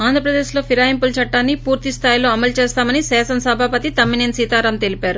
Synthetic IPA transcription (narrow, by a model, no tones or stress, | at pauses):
aːnd̪ʱɾɐpɾɐd̪e̞ːʃlo̞ːpʰiɾaːjimpult͡ʃɐʈːaːnːipuːɾt̪ist̪ʰaːjilo̞ːɐmɐlt͡ʃe̞ːst̪aːmɐnisɛːsɐnɐsɐbʱaːpɐt̪it̪ɐmːinensiːt̪aːɾɐmt̪e̞lipaːɾu